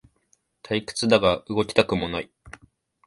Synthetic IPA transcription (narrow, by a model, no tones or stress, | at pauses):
t̪ʰaikɯ̟̥t͡sɨd̪aɡaɯɡo̞kʲi̥t̪akɯ̟mo̞nai